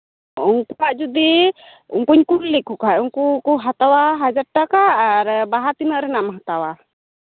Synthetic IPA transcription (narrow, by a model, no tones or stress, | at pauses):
uŋkuaʔd͡ʒud̪i | uŋkuɲkuɾlikukauŋkukuɦat̪awaɦad͡ʒaɾ̚ʈakaːɾbaɦat̪inəʔɾɛnamɦat̪awa